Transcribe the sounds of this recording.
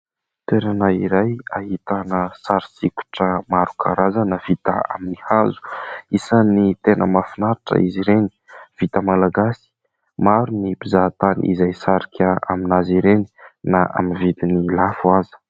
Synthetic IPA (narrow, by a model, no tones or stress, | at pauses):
t̪weɾanaiɾajahit̪anəsaɾisikʲu̥ʈ͡ʂəmaɾukʰaɾazanav̥it̪a̰a̰minihazu̥isanit̪enʔəmafinaɾaʈ͡ʂə̰iziɾeni̥v̥it̪əmalaɡasi̥ | maɾunipizat̪aniḭzajsaɾikʲʰaa̰minaziɾeni̥naʔa̰minvid̪inilafuazi̥